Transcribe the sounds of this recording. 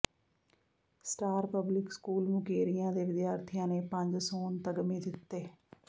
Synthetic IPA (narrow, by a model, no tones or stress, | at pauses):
sʈaːɾpəblɪkskuːlmʊkeːɾijãːd̪eːʋɪd̪jaːɾt̪ʰɪjãːneːpə̃ɲd͡ʒsoːnt̪əɡəmiːd̪ɪt̪ːeː